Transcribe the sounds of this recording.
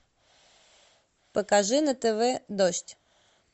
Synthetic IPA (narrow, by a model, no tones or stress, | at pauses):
pəkaʐɨnət̪ɛvɛd̪oʂtʲ